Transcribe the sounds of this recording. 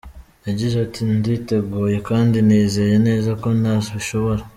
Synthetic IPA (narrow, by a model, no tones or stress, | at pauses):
jaɟizatʰindite̞ɡuːje̞kaːndiniːze̞je̞ne̞ːzako̞nazoβiʃo̞βo̞ɾa